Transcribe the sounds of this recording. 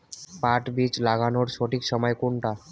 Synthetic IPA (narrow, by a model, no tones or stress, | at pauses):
paʈbit͡ɕlaɡanoɾʃoʈikʃɔmɔekoɳʈa